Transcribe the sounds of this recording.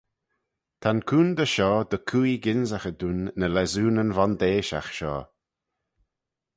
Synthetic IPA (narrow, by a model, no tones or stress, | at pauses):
t̪ʰankʰuːnd̪əʃɔːd̪əkʰuːjɡɪnzaxəd̪unːəlɛzuːnənvɔnd̪eːʃa̰xʃɔ̰ː